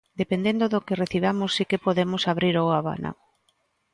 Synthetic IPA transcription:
d̪epend̪end̪oðokereθiβ̞amʊsːikepoðemʊsaβɾiɾoaβa̰na̰

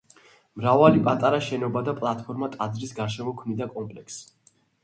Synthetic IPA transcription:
mɾavalipʼat̪ʼaɾaʃɛnɔbad̪apʼlˠat̪ʰpʰɔɾmat̪ʼad̪zɾisɡaɾʃɛmɔkʰvmnid̪akʼɔmpʼlɛkʰsi̥

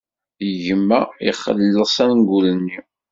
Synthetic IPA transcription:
əʝəmːæḭχːə̰lːəsˤænŋɡulənːi

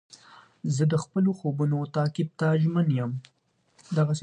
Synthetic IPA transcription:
zəd̪əxpəloxobunot̪ɑkɪb̚t̪aʒmənjəm | d̪aɣas

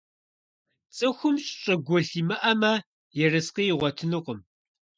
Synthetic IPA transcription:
t͡sʼɨxʷʊmɕʼɕʼɐɡʷɔɬiːmɐʔɐmɐ | jɛrɐsqiːjɪʁʷɔtʰɨnɨqʷəm

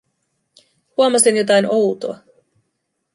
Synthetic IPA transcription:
huomɑsinjo̞t̪ɑjnowt̪oɑ

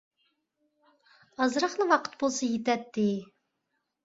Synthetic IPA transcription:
ɑzɾɑχnɨwɑqʰə̥t̪̚bolˠsɑjet̪ɛt̪ːɪ

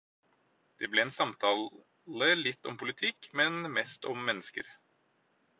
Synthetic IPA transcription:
d̪̥ɛblɛɛnsɑmt̪ʰɑː | ləlɪt̪ːɔ̰mpʰʊlɪt̪ʰɪkmɛnmɛst̪ɔmːɛnːəskə̰ɾ

